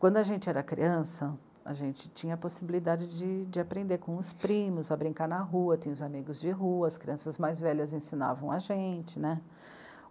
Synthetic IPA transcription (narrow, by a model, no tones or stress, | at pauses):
kwɐ̃d̪ʊɐʒẽnt͡ʃɪɛɾɐkɾḭɐ̃sɐ | a̰ʒẽnt͡ʃɪ̥t͡ʃĩɲɐːposibilid̪ad͡ʒɪd͡ʒɪd͡ʒɪapɾẽnd̪eɾkõʊspɾĩmʊzɐbɾĩŋkaɾnɐɦuɐt̪ĩɲ̃ʊzamiɡʊzd͡ʒɪɦuɐːskɾiɐ̃sɐzmajzvɛʎɐzẽsina̰vɐ̃w̃aʒẽnt͡ʃɪnɛ